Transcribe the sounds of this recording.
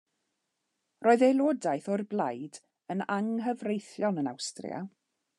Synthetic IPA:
roːɨðelˠoːdajθɔrblˠajd | ənaŋɦəvrejθjɔnəna̰wstrɪ̰a̰

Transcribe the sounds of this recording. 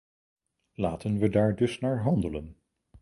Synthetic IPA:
laːtənʋədaːɹdɵsnaːɹɦɑndələn

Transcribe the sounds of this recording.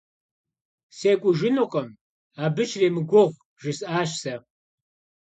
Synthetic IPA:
seːkʷʼʊʒɪnoqʼɐm | aːbɨt͡ʃʰreːmɨɡʷʊʁʷ | ʒɪsʔaːʃsɐ

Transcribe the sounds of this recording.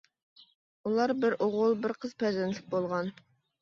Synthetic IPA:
ulˠɑɾbɪɾoʁʊlˠbɪɾqʰəz̥pʰɛzɛnlɪk̚ʲbolˠʁɑn

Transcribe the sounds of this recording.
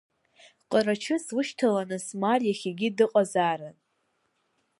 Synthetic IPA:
qʼəɾat͡ʃʰɨswʊʃtʰalanɨsmarjaχʲiɡʲidɨqʼazaɾan

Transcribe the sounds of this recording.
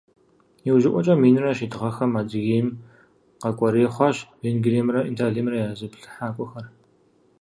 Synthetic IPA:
jiwʒɪʔʷʼɔt͡ʃʼɐmiːnrɐʃidɨʁɐxɐmaːdɨɣiːm | qɐkʷʼɔɾeːχʷɑɕveːnɡreːmrɐʔintʰaːɮiːmrɐjaːzɨpɬɨ̥ħaːkʷʼɔxɐr

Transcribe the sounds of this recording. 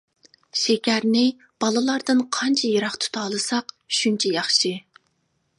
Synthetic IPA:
ʃekʲæɾnɪ | b̥ɑlˠɨlˠɑɾd̪ɨnqʰɑnt͡ʃʰɛjɑɾɑχt̪ʰu̥t̪ʰɑːlˠɨsɑq | ʃunt͡ʃʰɛjɑχʃɨ

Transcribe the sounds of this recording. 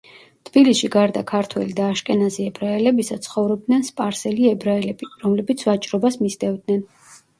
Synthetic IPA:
t̪ʰb̥ilisʃiɡaɾd̪akʰaɾt̪ʰwɛ̰lid̪aːʃkʼɛnazɛɛbɾaɛlɛbisat̪sʰχɔvɾɔb̚d̪nɛnspʼaɾsɛliɛbɾaɛlɛbiɾɔmlɛbit̪sʰvat͡ʃʼɾɔbasmisd̪ɛvd̪nɛn

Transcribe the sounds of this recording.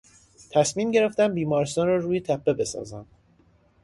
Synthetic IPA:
t̪ʰæsmiːmɟe̞ɾe̞ft̪ænbiːmɒːɾest̪ɒːnɾɒːɾuːjet̪ʰæpʰːe̞be̞sɒ̰ːzænd̪̥

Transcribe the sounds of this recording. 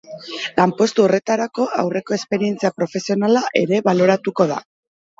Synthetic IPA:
lampo̞st̪uore̞t̪aɾako̞awre̞ko̞e̞spe̞ɾie̞nt͡siapɾo̞fe̞sio̞nalaʔe̞ɾe̞βalo̞ɾat̪uko̞ða̰

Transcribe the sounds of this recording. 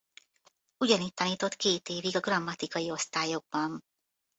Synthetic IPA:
uɟɒniːtt̪ɒniːt̪o̞t̪keːt̪eːviɡɒɡrɒmːɒt̪ikɒjio̞st̪aːjo̞ɡ̚bɒn

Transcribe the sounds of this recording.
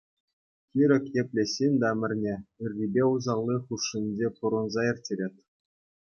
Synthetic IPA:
kʲiɾʲɘ̆kʲepʲlʲesʲːinʲd̪ɑmʲɘ̆rʲnʲeyrʲːibʲeuzɑllʲˠːiχuʂːɨnʲd͡ʑʲepuɾɤ̆nzɑirʲtʲːeɾʲet̪ʲ

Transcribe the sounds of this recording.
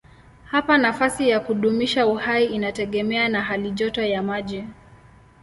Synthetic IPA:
hapanafasijakuɗumiʃauhaiinatɛɠɛmɛanaɦaliʄɔtɔjamaʄɛ

